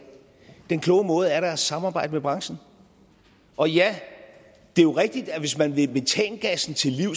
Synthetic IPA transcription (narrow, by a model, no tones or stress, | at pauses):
d̥enkʰlɔ̽ʊəmɔ̽ːð̞̩ˠæɐɾæɐsɑ̈mɑ̈ːbɑ̈ɪ̰d̥əmeb̥ʁɑ̈ŋsn̩ | ʔɒ̽jæ | d̥e̝joʁɛɡ̥̚d̥id̥æʋe̝smænʋe̝b̥e̝t͡sʰɛ̰ːnəɡ̥æsn̩t͡sʰe̝lːiʊ̰